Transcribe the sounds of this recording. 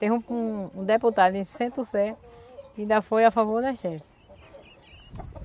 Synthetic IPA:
t̪ẽũũd̪eput̪ad̪ʊĩsẽt̪usɛ | ĩd̪ɐfojafavoɾd̪ɐʃɛsɪ̥

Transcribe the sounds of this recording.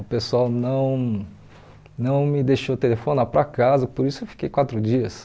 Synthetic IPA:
ʊpesuawnɐ̃w̃ | nɐ̃w̃mɪd̪eʃot̪elefonaɾpɾɐkazɐpoɾisʊewfi̥kejkwat̪ɾʊd͡ʒiɐs

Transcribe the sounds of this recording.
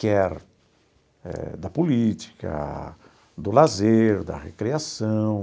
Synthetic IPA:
kɛɾ | ɛ̰d̪ɐpolit͡ʃi̥kɐ̰ | d̪ʊlazeɾd̪ɐ̰ʁekɾiasɐ̃w̃

